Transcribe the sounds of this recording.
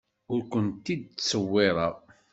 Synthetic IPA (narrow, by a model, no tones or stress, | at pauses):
ʊɾkʷənt̪id̪̚t͡sːəwːɪɾˤɑ